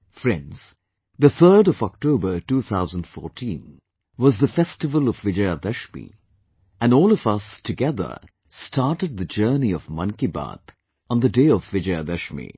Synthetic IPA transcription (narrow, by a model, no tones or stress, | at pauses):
fɹɛ̃ndz̥ | ðɨθɜ˞ɾɔvɔk̚toʊbə˞tuːθaʊzə̃n̩d̥fɔɹtʰĩn | wʌzðəfɛstɨvəlˠɔvvɪd͡ʒead̪ɛʃmḭ | ɨ̃nɔːlˠʌvʌstʰɨɡɛðə̰˞ | stʰɑɹɾɨd̪̚ðɨd͡ʒɜ˞niʌvmʌ̰̃nkiba̰t̪ | n̩ðədeɪʌvːɪd͡ʒead̪ɛʃmḭ